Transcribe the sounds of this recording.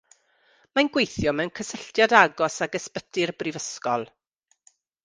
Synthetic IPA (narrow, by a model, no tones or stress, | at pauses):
manɡwejθjɔmɛwnkʰəsəɬtjadaɡɔsaɡəspətɪrbrɪvəskɔlˠ